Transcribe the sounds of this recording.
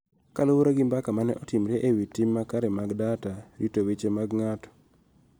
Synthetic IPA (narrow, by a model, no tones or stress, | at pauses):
kalowoɾaɡɪmbakamanɛ̰ʔɔtɪmɾeʔewitimːakaɾɛmaɡdataɾitowet͡ʃemaɡŋatɔ̥